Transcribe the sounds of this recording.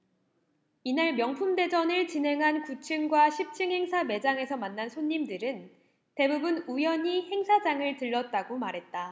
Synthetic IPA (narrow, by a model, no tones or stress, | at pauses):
inaɭmjʌŋpʰumde̞d͡ʑʌnɯɭt͡ɕinɦe̞ŋɦankut͡ɕʰɯŋɡwaɕʰip̚t͡ɕʰɯŋɦe̞ŋsʰame̞d͡ʑaŋe̞sʰʌmanːansʰoɲːimdɯɾɯn | te̞bubɯnujʌɲihe̞ŋsʰad͡ʑaŋɯɭtɯɭːʌt̚t͈aɡomaɾɦe̞t̚t͈a